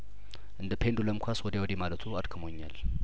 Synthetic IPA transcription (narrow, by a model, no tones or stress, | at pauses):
ʔɨnd̪əpʰend̪uləmkʷʰaswɔd̪ewɔd̪emalət̪ʰuad̪kʰɨmo̞ɲːa̰l